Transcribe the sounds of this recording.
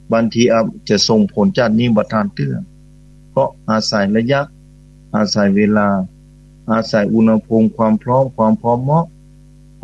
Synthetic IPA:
baː˧˨nt̪ʰiː˧ʔa˧˩t͡ɕa˧˩so˧˩ŋpʰo˨˦nt͡ɕa˧˩t̪̚niː˧˨ba˧˩t̪ʰaː˧˨nt̪ɯ˧˩ɐ˨ | pʰɔ˧ʔʔaː˨˩sa˨˦jla˧ja˧˥k̚ | ʔaː˧˩sa˨˦jweː˧˨laː˧˩ | ʔaː˧˩sa˨˦jʔu˧˨nha˧pʰo˧˥˨mkʰwaː˧˥˨mpʰlɔː˧˥˨mkʰwaː˧˨mpʰɾɔː˧˥mːɔ˧˥˨k̚

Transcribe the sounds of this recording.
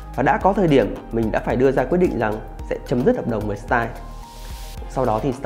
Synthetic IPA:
vaː˨˩ɗa̰ː˧˥kɔ˨˦t̪ʰəː˧jɗi˧˩əmːï̟˨˩ɗa̰ː˧˥faː˧˩jɗɨ˧əzaː˧kwt̚ɗḭ˧˨ŋ̟za˨˩ŋ | sɛ̰˧˥t͡ɕə˨˦mzɨ˦˥t̚hə˨˩ɗə˨˩wŋ͡mvəː˨˩jst̪aː˧j | sa˧wɗɔ˨˦t̪ʰi˨˩st̪

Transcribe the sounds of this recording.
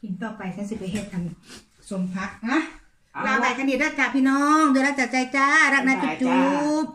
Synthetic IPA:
ki˧nt̪ɔː˧˩pa˧jsaː˨˦˥ŋsi˨˩pɾa˧ɦʰeː˥˩t̪ʰːa˧m | so˧˦mpʰa˦˥ʔna˦˥ | laː˧˦laː˨˦jka˧ndi˨˩ɾaː˥˩k̚t͡ɕaː˨˩k̚pʰiː˥˩˨nɔː˦˥ŋd̪o˧jɾa˦˥t͡ɕaː˨˩k̚t͡ɕa˧jt͡ɕaː˧˥˩ɾa˦˥˩k̚naː˧˥t͡ɕu˧˩t͡ɕu˦˥p̚

